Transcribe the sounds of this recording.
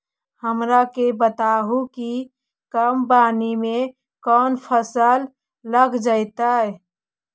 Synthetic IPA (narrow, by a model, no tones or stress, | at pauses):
həmɾakebət̪aɦuki | kəmbanime | kɔnpʰəsəlː | əɡd͡ʒəɪt̪ae